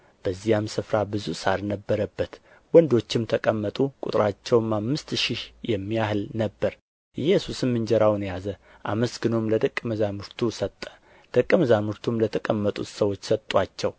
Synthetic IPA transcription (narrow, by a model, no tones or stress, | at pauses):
b̥əzːijamsɨfɾabɨzusaɾnəbːəɾəbːət̪ | wɔnd̪o̞t͡ʃːɪmt̪ʰəkʼəmːət̪ʼukʼut̪ʼɾat͡ʃːɛwmamːɨst̪ʃihjɛmːijahɨlnəbːəɾ | ɨjɛsusɨnmɨnd͡ʒɛɾawnjazə | ʔa̰məsɡɨno̞mləd̪əkʼːməzamɨɾt̪ʰusət̪ʼːə̥ | d̪̥əkʼːəməzamɨɾt̪ʰumlət̪ʰəkʼəmːət̪ʼṵt̪səwo̞t͡ʃːsət̪ʼːwat͡ʃːɛw